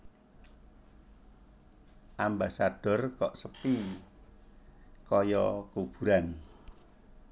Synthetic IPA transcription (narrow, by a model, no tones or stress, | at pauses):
ʔambasaɖ̥ɔ̤rkɔʔsəpi | kɔjɔkub̥uɾan